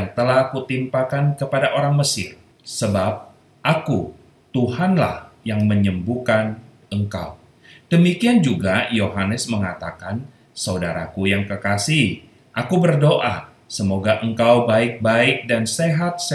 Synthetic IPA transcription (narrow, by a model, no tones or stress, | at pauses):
jaŋt̪əlahkut̪impakankəpadaʔoɾaŋməsɪ̰r | səbap̚ | ʔaku | t̪uhanla̰hjaŋməɲəmbukan | əŋka̰w | d̥əmikiand͡ʒuɡajoɦanəsməŋat̪akan | sawdaɾa̰kujaŋkəkasih | ʔakubərdoʔa̰ | səmoɡaʔəŋkawbaɪk̚baɪk̚danseɦat̪̚s